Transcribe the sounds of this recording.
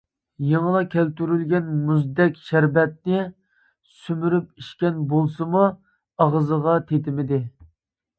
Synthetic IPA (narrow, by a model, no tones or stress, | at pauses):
jɑməlˠɑkʲɛlt̪yɾylɡʲɛnmuzd̪ɛkʲʃæɾbɛt̪̚nɪ | symyɾypiʃkʲɛnbolˠsɨmu | ɑʁzəʁɑt̪ʰet̪ɪmɪd̪ɪ